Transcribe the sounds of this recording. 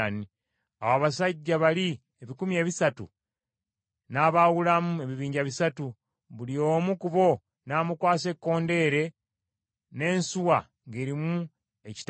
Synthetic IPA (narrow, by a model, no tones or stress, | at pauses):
ni | awaβasaɟːaβali | eβikumie̞ːβisatṵ | naːβawulamue̞βiβiːɲɟaβisatu | βulio̞ːmukuβo̞ | naːmukwaːse̞kːo̞ːnde̞ːɾe̞ | ne̞ːnsuwa | ŋɡe̞ɾimu | e̞ci̥t